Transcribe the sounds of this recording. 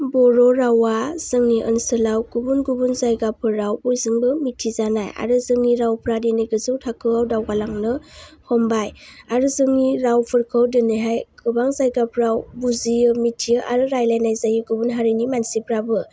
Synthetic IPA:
bɔɾɔɾawaz̥ɯŋniʔə̰nsɯlawɡubunɡubunzajɡapʰɯɾawbujzɯŋbɯmitʰizanaja̰ɾɯzɯŋniɾawpʰɾadenɯjɡɯzɯwtʰakʰɯawdawɡalaŋnɯhɔmbajaɾɯzɯŋniɾawpʰɯɾkʰɯwdɯnɯɦajɡʰɯbaŋzajɡapʰɾawbuzijɯmitʰijɯʔaɾɯɾajlajnajzajɯɡubunɦaɾinimansipʰɾabɯ

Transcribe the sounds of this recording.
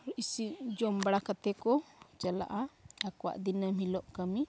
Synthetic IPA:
isiʔd͡ʒɔmbɽakat̪ɛkɔt͡ʃəla̰ʔaakwa̰ʔd̪inəmɦilɔʔkəmi

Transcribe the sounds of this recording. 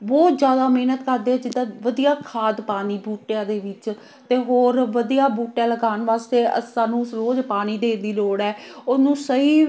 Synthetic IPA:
bɔːd͡ʒjaːd̪aːmeːnət̪kəɾd̪eːɛːd͡ʒɪd̪ãːʋəd̪ijaːkʰaːd̪paːniːbuːʈjãːd̪eːʋɪt͡ʃ | t̪eːɦoːɾʋəd̪ijaːbuːʈjãːləɡaːnʋaːst̪eːə̰saːnũːsɾoːd͡ʒpaːniːd̪eːd̪iːloːɽɛːʊnũːsəiː

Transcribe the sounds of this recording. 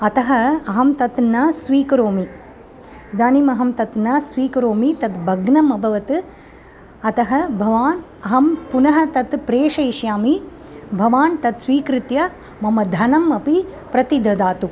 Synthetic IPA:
ɐt̪ɐɦɐɐɦɐmt̪ɐt̪nɐsʋiːkɐɾoːmi | d̪aːnimɐɦɐmt̪ɐt̪nɐsʋiːkɐɾoːmit̪ɐt̪bʱɐɡnɐmɐbʱɐʋɐt̪ɨ | ɐt̪ɐɦɐbʱɐʋaːn | ɐɦɐmpunɐɦɐt̪ɐt̪pɾeːʂɐjʃjaːmi | bʱɐʋaːnt̪ɐt̪sʋiːkɾɪt̪jɐ | mɐmɐd̪ʱɐnɐmɐpi | pɾɐt̪id̪ʱɐd̪aːt̪u

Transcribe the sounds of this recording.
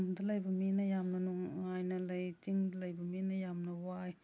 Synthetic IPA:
mdalɐjbɐminɐjamnɐnuŋːajnɐlɐjtiŋdlɐjbɐminɐjamnɐwaj

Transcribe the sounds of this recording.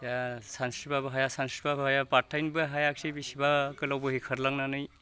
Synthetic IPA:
jasanskɾit̚pabɐɦajasanskɾitbabɐɦajapaɾtʰajnbɯɦajak̚sibisibakɯlawbɯɦikʰɐɾlaŋnanɯj

